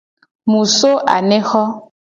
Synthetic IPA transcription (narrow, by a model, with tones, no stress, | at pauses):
mũ˨so˦ʔa̰˨nɛ̃˦xɔ˦